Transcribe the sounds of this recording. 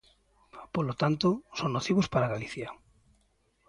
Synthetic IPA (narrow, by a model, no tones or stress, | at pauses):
polot̪ant̪osoŋnoθiβospaɾaɣaliθja